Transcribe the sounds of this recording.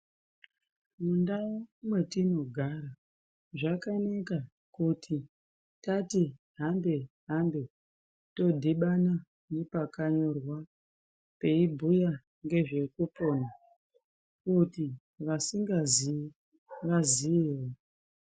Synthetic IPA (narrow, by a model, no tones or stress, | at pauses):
mundaomwe̞tino̞ɡʱaɾa | ʐakanaka | kutʰi | tati | ɦambe̞ | ɦambe̞ | to̞dʱiɓana | nepakaɲo̞rwa | pe̞ibʱuja | ŋɡe̞ʐe̞kupo̞na | kuti | ʋasiŋɡazi | ʋaziiwo